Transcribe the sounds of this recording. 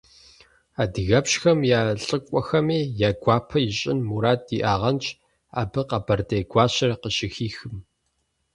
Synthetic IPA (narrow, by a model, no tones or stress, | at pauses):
aːdɨɣɐpɕxɐmjaːɬʼɨkʷʼɔxɐmeːjaːɡʷaːpʰɐjɪɕʼɪnmuɾaːt̚ːḭʔaːʁɐnt͡ʃʰʼ | a̰ːbɨqɐbɐrdeːɡʷɑːɕɐrqəɕɪxiːxɨm